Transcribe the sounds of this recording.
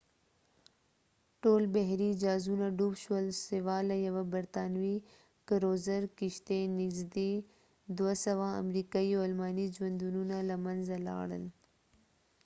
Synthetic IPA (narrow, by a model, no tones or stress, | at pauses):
ʈoːlbɐɦɾiːd͡ʑaːzuːnaɖuːbʃəlsɪʋaːlɐjɐʋɐbɐɾt̪aːnʋiː | kəɾoːzəɾkɪʃt̪enɪzd̪iː | d̪uəsɐʋãːɐ̰mɾiːkaioːlmaːnid͡ʑwɐ̃nd̪uːnuːnalɐmɐnzɐla̰ːɽə̰n